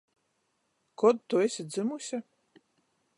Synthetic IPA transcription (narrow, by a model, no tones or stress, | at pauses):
kɔd̪t̪uesʲid̪zɨmusʲa